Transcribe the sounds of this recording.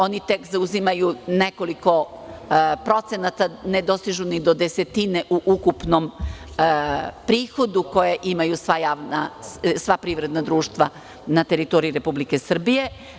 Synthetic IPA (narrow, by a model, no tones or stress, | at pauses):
o̞nit̪ekzauzimajuneko̞liko̞ | pɾo̞t̪senat̪ane̞d̪o̞st̪iʒunid̪o̞d̪ese̞t̪ineʔuʔukupnom | pɾiːxo̞d̪uko̞jeʔimajusʋajaːʋnasʋapɾivɾe̞d̪nad̪ɾuːʃt̪ʋa | nat̪e̞ɾit̪oɾiiɾe̞publike̞sr̩bije̞